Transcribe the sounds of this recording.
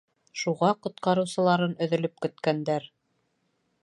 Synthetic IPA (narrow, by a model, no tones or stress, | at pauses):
ʃuʁɑqŏt̪qɑɾɤ̆wsɤ̆lˠɑɾɤnɵ̆ðɵ̆lɵp̚kɵ̆t̪kænd̪æɾ